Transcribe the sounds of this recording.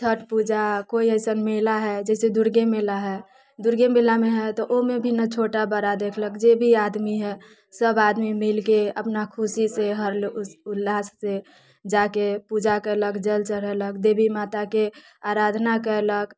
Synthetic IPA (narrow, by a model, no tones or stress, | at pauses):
t̪ʰəʈpud͡ʒakoiəɪsənmelaɦɛd͡ʒɛsed̪uɾɡemelaɦɛ | d̪uɾɡemelameɦɛt̪ɔʔomebʱinat͡ʃʰoʈabəɾad̪ekʰləkd͡ʒebʱiad̪miɦɛ | səbad̪mimilkeə̰pnakʰusiseɦəɾlʊlːaːsːe | d͡ʒakepud͡ʒakələkd͡ʒəlt͡ʃəɽ̤ɛləkd̪ebʱimaːt̪ake | aɾad̪ʱnakəelək